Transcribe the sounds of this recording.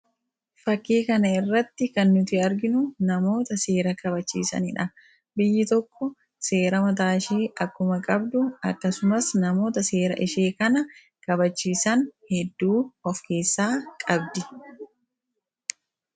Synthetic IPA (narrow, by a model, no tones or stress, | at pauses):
fɐkːiːkɐnɐɪrːɐt̪ːɪkɐnːʊt̪ɪɐɾɡɪnʊnɐmo̞ːt̪ɐse̞ːɾɐkʰɐbɐt͡ʃːḭːsɐ̰nɪ̰ᶑɐ | bɪjːɪt̪ɔkːɔ | se̞ːɾɐmɐt̪̬aːʃeːʔɐkːʊmɐkʼɐbd̪ʊɐ̰kːɐsʊmɐsnɐmo̞ːt̪ɐse̞ːɾɐ̰ʔɪʃe̞ːkɐnɐ | kɐbɐt͡ʃːiːsɐnhɛd̪ːuːɔfke̞ːsːaːkʼɐbd̪ɪ